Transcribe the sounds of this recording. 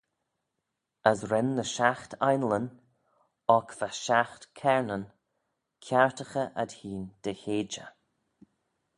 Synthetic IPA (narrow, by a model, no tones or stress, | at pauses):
əzɾɛnːəʃaxt̪ʰajnlən | ɔkvaʃaxt̪kʰɛɹnən | kʰaɹt̪əxəʔad̪hiːnd̪̥əçeːd͡ʒə̰